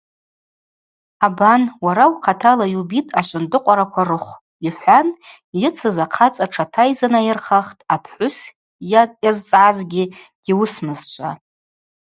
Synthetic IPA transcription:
abanwaɾawqʰatʰalailbitʼaʃʷʼʊndɨqʷʼaɾakʷʰarɨχʷ | iħʷan | jɪt͡sʰɨzaqʰat͡sʼaʈ͡ʂʰatʰajzanajɪrχaχtʼapʰħʷʊs | jjazt͡sʼʕazɡʲɪ | ɡ̥iwʊsmɨzt͡ʃʷʼa̰

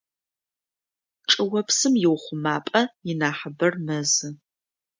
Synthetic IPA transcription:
ʈ͡ʂʼɨwɐpsɨmjɪwχʷʊmaːpʼɐjɪnaːħəbɐrmɐzɨ

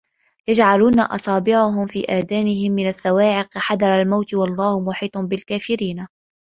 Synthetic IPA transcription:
jad͡ʒʕaluːna̰ʔɑ̰sˤɑːbɪʕʊɦʊmfḭːʔaːd̪aːnɪɦɪmːɪnasːawaːʕɪqħad̪ɑɾˤalmawt̪wɑlˤːɑːhmʊħiːt̪ˤnbɪlkaːfɪɾiːn

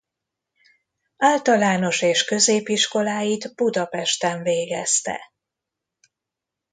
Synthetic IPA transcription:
aːlt̪ɒlaːno̞ʃeːʃkø̞zeːpiʃko̞laːjid̪b̥ud̪ɒpɛʃt̪ɛɱveːɡɛst̪ɛ̰

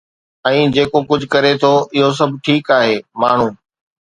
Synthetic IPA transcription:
ɛ̃ːd͡ʑeːkokʊd͡ʑʱʊkɐɾet̪ʰoʔɪɦos̬ɐbʱʈʰiːkaːɦeːmaːɳ̤uː

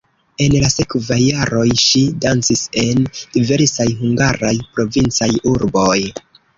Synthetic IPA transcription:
e̞nlase̞kvajːaɾo̞jʃidant͡sise̞nd̥ive̞ɾsajɦuŋɡaɾajpɾo̞vint͡sajuɾbo̞j

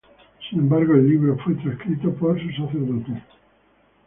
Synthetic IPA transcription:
sinẽmbaɾɣoelːiβɾofwet̪ɾaskɾit̪opoɾsus̬aθeɾðot̪e

